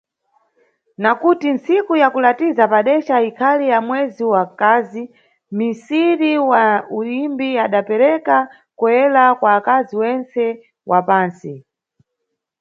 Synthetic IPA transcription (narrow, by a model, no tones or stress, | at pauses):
nakutinsikujakulatizapaɗɛt͡ʃaikʰalijamwɛziwakazi | misiɾiwaulimbiaɗapɛɾɛka | kuɛlakwaːkaziwɛnt͡sɛ | wʔapaːnsi